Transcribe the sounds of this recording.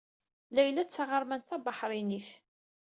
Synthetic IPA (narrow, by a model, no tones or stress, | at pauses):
læjlæt͡sːaʁəɾˤmænθæbɑħɾˤiniθ